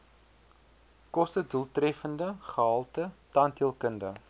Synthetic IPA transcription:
kɔstədulˠtrɛfəndəχəɦɐlˠtətɐntiəlˠkəndə

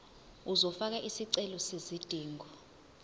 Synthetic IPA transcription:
uzɔfak̬aʔisiǀɛlɔsezid̥ʱiːŋɡʱɔ

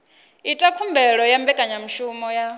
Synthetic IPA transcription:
itʼakʰumbʱɛɺɔjambɛkʼaɲamiʃumɔja

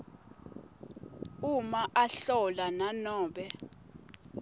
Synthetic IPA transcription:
umaʔaɬɔlananɔːɓɛ

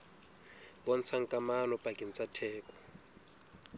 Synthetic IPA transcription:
ɓɔnt͡sʰaŋkʼamanɔpʼakʼint͡sʼatʰɛːkʼɔ̥

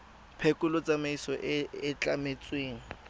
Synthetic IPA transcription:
pʰekʼʊlʊt͡sʼamaisɔʔɛɪt͡ɬʼamet͡sʼweːŋ̩

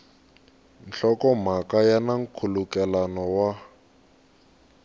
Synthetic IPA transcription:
n̩ɬɔkɔm̤akajanaŋ̩kʰulukɛlanɔwa

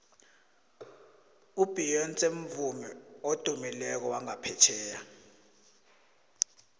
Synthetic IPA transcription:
ub̥ʱijɔnt͡sʼeɱ̩vumɛod̥ʱumilɛk̬ɔwaŋapʰɛt͡ʃʰɛːja

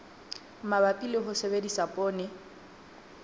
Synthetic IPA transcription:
mabapʼilɪɦʊsebedisapʼoːnɪ

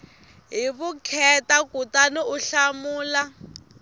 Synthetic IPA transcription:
ɦiβukʰɛtakutaniuɬamuːla

